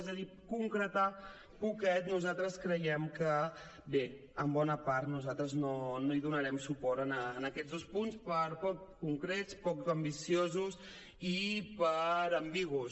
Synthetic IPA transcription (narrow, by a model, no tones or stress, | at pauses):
ɛzəði | kuŋkɾət̪a | pukɛt̪nuzat̪ɾəskɾəjɛmkə | be | əmbɔnəpaɾt̪nuzat̪ɾəznonoiðunəɾɛmsupɔɾənəːnəkɛdzðospunspəɾpɔkkuŋkɾɛt͡spɔkəmbisiozus | ipəɾəmbiɣus